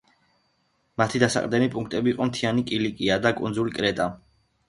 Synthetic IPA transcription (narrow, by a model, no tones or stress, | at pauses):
mat̪ʰid̪asa̰qʼɾd̪ɛnipʼuŋk̚ʰt̪ʼɛbiːqʼɔmt̪ʰianikʼilikʼiad̪akʼṵnd̪zulikʼɾɛt̪ʼa